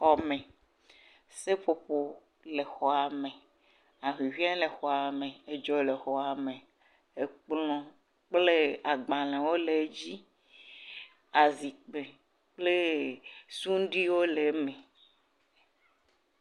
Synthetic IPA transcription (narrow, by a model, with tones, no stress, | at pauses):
xɔ˦mẽ˨ | se˦ɸo˨ɸo˨ | le˨xɔ˨a˨mẽ˨ | a˨ɦi˨vi˦a˦le˨xɔ˨a˨mẽ˨e˨d͡ʒɔ˨le˨xɔ˨a˨mẽ˨ | e˨k͡plɔ̃˦ | k͡ple˦a˨ɡ͡ba˨lã˨wo˦le˨˦d͡ʑi˦ | a˨zi˨k͡pe˨ | k͡ple˦ | su˦ɖi˦wo˦le˨mẽ˨